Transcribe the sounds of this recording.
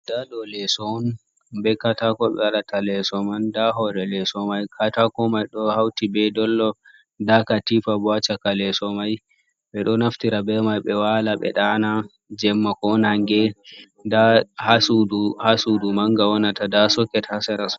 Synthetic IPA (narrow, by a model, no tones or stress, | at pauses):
d̥adɔlɛsɔn | bɛkatakɔɓɛwaɗatalɛsɔmandaɦɔɾɛlɛsɔmajkʰatakɔmajɗɔhawtibɛdɔlːɔ | dakatifabɔat͡ʃakalɛsɔmaj | ɓɛɗɔnaftiɾabɛmajɓɛwalaɓɛ̰ɗana | d͡ʒɛmːakɔnaŋɡɛ | dahasuduhasudumaŋɡawɔnatadasɔkːɛthasɛɾas